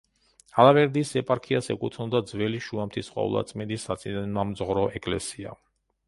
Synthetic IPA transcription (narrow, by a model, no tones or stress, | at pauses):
alavɛɾd̪isɛpʼaɾkʰiasɛkʼut̪ʰnɔd̪ad̪zvɛliʃuamt̪ʰisχʼwa̰ṵlˠa̰t̪sʼmɛd̪isat̪sʼinɛnmamzʁɾɔʔɛkʼlɛ̰sia̰